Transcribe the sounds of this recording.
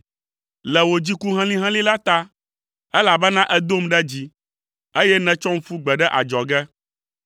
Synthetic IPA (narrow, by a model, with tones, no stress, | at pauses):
lɛ˨wo˨d͡ʑi˦ku˦ɦɛ̃˦lĩ˦ɦɛ̃˦lĩ˦la˦t̪a˦ | ɛ˦la˨bɛ˦nã˦ʔɛ˦d̪o˦mɖɛ˦d͡ʑi˦ | e˦jɛ˦nɛ̃˨t͡ʃɔ̃˦ŋ̩˦fu˦ɡ͡bɛ˨ɖɛ˦ʔa̰˨d͡ʒɔ˨ɡɛ˦